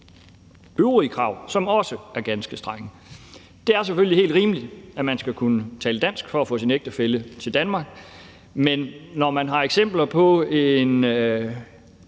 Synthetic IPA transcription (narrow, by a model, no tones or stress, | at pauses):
øʊʁikʰʁɑ̈ʊ̰sɒ̽mɒ̽səæɐɡ̥ænsɡ̥əsd̥ʁɑ̈ŋə | d̥e̝æɐs̬eføliɦe̝ːld̥ʁiːməli̥æmænsɡ̥ækʰunət͡sʰɛːləd̥æn̰sɡ̥fɒ̽æfɔ̰ːsineɡ̥̚d̥əfelət͡sʰe̝ld̥ænmɑ̈ːɡ̥ | menːɒmænɦɑ̈eɡ̥sem̰b̥lɐpʰɒ̽en